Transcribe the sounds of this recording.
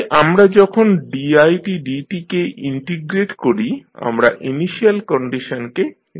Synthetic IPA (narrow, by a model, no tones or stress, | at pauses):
ʔamɾad͡ʑɔkʰonɖiajʈiɖiʈikeʔiɳʈiɡɾeʈkoɾia̰mɾa̰ʔiniʃialkɔɳɖiʃonke